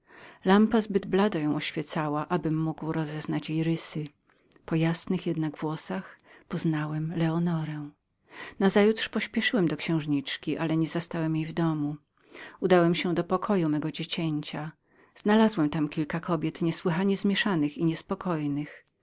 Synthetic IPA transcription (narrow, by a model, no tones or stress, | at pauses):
lampazbɘd̪blad̪ajɔ̃w̃ɔɕfʲjɛt̪sawaʔabɘmːuɡwɾɔzɛznat͡ɕjejɾɘsɘ | pɔjasnɘxjɛd̪naɡvwɔsaxpɔznawɛmlɛɔnɔɾɛ̃ | nazajut̪ʂpɔɕpʲjɛʂɘwɛmd̪ɔkɕɛ̃w̃ʐɲit͡ʂkʲiʔalɛɲɛzast̪awɛmjejvd̪ɔmu | ud̪awɛmɕɛ̃d̪ɔpɔkʰɔjumɛɡɔd͡ʑet͡ɕɛɲt͡ɕa | z̥nalazwɛmt̪amkʲilkakɔbʲjɛt̪ɲɛswɪxaɲɛzmʲjɛʂanɘxiɲɛspɔkɔjnɘx